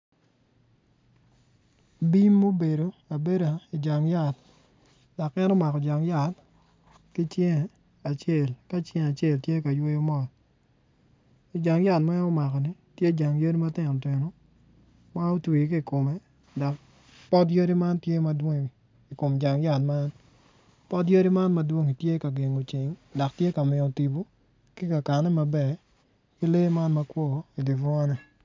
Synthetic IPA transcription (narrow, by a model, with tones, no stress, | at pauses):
bi˦mːo˦be˨ɾo˨a˨be˦ɾa˨i˨d͡ʒa˨ŋja˦˨t | d̥a˨kːɛ˦nɔ˦ma˨kɔ˨d͡ʒa˨ŋja˦˨t | ki˦t͡ʃje˦ŋ˨ | a˨t͡ʃje˦˨lka˦t͡ʃjɛ˦ŋa˨t͡ʃje˦˨ltje˦ka˨jwo˦jo˦mɔ˦˨l | i˨d͡ʒa˨ŋja˦tma˦ɔ˦ma˨kɔ˨ni˨˦ | tje˦d͡ʒa˨ŋjo˦ɾi˦ma˦tɪ˨nɔ˨te˨no˦ | ma˦o˦twi˨ki˦˨ko˨me˦ | dɔ˨k | pɔ˦t̬jo˦ɾi˦ma˦npje˦ma˦dwo˦ŋ˨ | i˨ko˨md͡ʒa˨ŋja˦˨tma˦n | pɔ˦tjo˦ɾi˦ma˦nmɐ˦dwo˦ŋi˨tje˦ka˨ɡe˨ŋo˨t͡ʃɪ˨ŋdɔ˨k̚tje˦ka˨mɪ˨o˨ti˨bo˦ | kɪ˦ka˨ka˨nɛ˦ma˨bɛ˨ | ki˦le˦ma˦nmɐ˦kwɔ˦˨i˨di˨vɔ˦nɛ˨